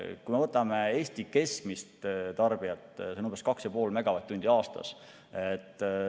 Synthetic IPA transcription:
kujmevɤt̪ːˑɑmee̞ːst̪ike̞skmist̪t̪ɑrb̥iɑt̪ːˑsenumbɑskɑksjɑpo̞ːlmæɡ̥ɑvɑt̪ːunʲd̪̥iɑːst̪ɑ̰s | et̪ˑː

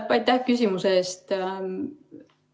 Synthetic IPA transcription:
ɑjt̪ːˑæhkys̬ʲimuseeːst̪

